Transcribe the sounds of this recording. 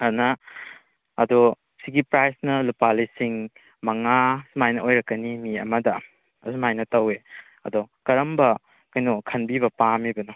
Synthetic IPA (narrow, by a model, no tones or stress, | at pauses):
ɐdunɐː | do | siɡipɾajsnɐlupalisiŋ | mɐŋasumajnɐʔojɾɐkːɐnimiɐ̰mɐdɐ | ɐsumajnɐtɐwe | ɐ̰dokɐɾɐmbɐ | kɐjnukʰɐnbibɐpamibɐnu